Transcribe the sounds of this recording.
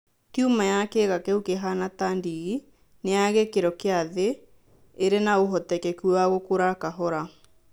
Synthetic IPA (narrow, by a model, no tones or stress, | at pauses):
tjumajakɛɣakɛukeɦanatandiɣi | neaɣɛkeɾɔkeaðeː | ɾenaoɦɔtɛkɛkuwaɣokoɾakaɦɔɾa